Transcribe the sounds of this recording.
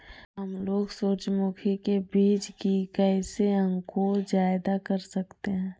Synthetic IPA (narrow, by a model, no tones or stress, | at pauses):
ɦɐmloːɡsoːt͡ʃmuːkʰikebiːt͡ʃkikɛːseɐ̃ŋkod͡ʒaːɪd̪akɐɾsɐkt̪eɦɛ̃ː